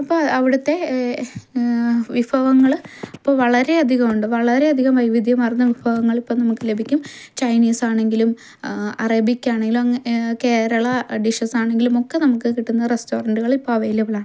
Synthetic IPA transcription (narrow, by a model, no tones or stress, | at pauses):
ɐpːoɐʋiɽɐt̪ːe̞ | ʋibʱɐʋɐŋːɐɭipːoʋɐɭɐɾe̞ɐd̪ʱiɣɐmuɳɖɨʋɐɭɐɾe̞ɐd̪ʱiɣɐmʋɐjʋid̪ʱjɐmaːjrɐnːɐʋibʱɐɣɐŋːɐɭipːoːnɐmukːɨle̞bʱikʲːumt͡ɕɐjniːsaːɳe̞ŋɡilum | ɐrɐbikʲːaːɳeŋɡilumɐke̞ːɾɐɭɐɖiʂɐsaːɳe̞ŋɡilumo̞kːe̞nɐmukːɨkiʈːunːɐðresto̞ːrɐɳɖɨɣɐɭipːoɐʋejlɐʋɐɭaːɳɨ